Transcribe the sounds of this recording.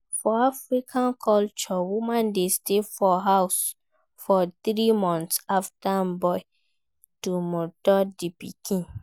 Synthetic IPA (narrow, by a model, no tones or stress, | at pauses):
fɔafɹikʰãnkʰɔlt͡ʃɔwumãndestefɔɦaws | fɔθɾimɔ̃nsaftambɔɪ | tumɔdɔdipikʰĩn